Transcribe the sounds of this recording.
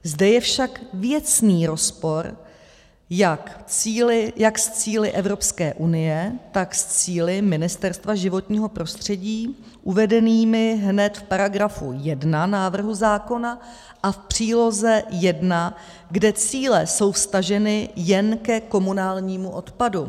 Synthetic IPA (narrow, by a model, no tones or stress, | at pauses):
zdɛjɛfʃakvjɛt͡sniːɾo̞spo̞ɾ | jakt͡siːlɪjakst͡siːlɪʔɛvɾo̞pskɛːʔunɪjɛt̪akst͡siːlɪmɪnɪst̪ɛɾst̪vaʒɪvo̞t̪ɲiːɦo̞pɾo̞st̪r̝̥ɛɟiː | ʔuvɛdɛniːmɪɦnɛt̪fpaɾaɡɾafujɛdnanaːvr̩ɦuzaːko̞na | ʔafpr̝̥iːlo̞zɛjɛdna | ɡdɛt͡siːlɛso̞wfst̪aʒɛnɪjɛnkɛko̞munaːlɲiːmuʔo̞t̪padu